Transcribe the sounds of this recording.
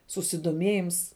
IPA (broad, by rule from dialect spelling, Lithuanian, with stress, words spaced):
sʊsʲɪdoːˈmʲeːjɪms